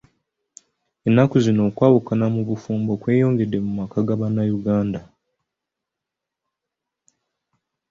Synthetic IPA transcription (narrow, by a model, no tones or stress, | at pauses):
e̞nːakuzino̞ːkwaːwukanamuβufuːmbo̞kwe̞ːjo̞ːŋɡe̞dːe̞mumakaɡaβanːajuɡaːnda